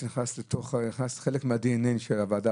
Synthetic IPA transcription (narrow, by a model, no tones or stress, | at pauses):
niχnaslet̪oχniχnasχelekmad̪ininʃelavad̪a